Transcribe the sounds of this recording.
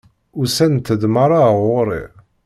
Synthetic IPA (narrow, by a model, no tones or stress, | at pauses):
ʊsænt̪ːəd̪maɾˤaʁoɾˤḭ